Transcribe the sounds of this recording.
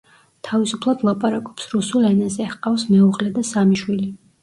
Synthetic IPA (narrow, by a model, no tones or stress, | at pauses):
t̪ʰavisupʰlˠad̪lˠapʼaɾakʼɔpsɾusulˠɛnazɛhqʼafsmɛuʁlɛd̪asamiʃwili